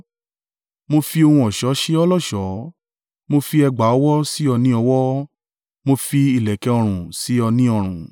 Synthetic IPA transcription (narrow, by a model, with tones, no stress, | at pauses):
mo˧fi˧o˧hũ˧ɔ˨ʃɔ˨˦ʃi˦ɔ˦lɔ˦˨ʃɔ˨˦ | mo˧fi˧ɛ˧ɡ͡ba˨˦ɔ˧˦wɔ˦si˦ɔ˧nĩ˦ɔ˧wɔ˦ | mo˧fi˧i˨lɛ˨kɛ˧ɔ˧ɾ̃ũ˨si˨˦ɔ˧nĩ˦ɔ˧˨ɾ̃ũ˨